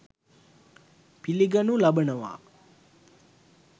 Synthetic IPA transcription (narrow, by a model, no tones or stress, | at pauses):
piliɡɐnulabənəʋa̰ː